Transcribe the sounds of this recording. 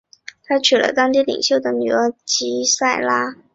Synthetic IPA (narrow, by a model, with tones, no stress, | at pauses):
t̪ʰa˥t͡ɕʰy˨˩lə̰˧˦t̪ɑ˥ŋt̪̬i˥˩lḭ˨˩ŋɕjo˥˩ʊd̪ə˩ny˨˩ə˧˥t͡ɕi˧˥sa˥˩ɪla˥